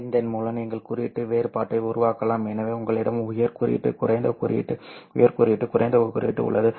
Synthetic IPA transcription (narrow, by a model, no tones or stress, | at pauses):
nd̪ɛnmuːlɐniːŋɡɐɭkʊɾɪɪʈːɯʋeːɾpaːʈːɐɪʊɾʊʋaːkɐlaːmɛnɐʋeːʊŋɡɐɭɪɽɐmʊjɐɾkʊɾɪ̰ɪ̰ʈːɯ̰kʊɾɐɪnd̪ɐkʊɾɪ̰ɪ̰ʈːɯʊ̰jɐɾkʊɾɪɪʈːɯkʊrɐ̰ɪnd̪ɐkʊɾɪ̰ɪʈːɯ̰ʊ̰ɭːɐðɯ